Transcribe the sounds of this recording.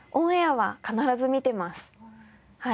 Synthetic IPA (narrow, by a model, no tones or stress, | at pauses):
ʔõɰ̃aβakanaɾazɨmʲit̪e̞masɨ̥ | ha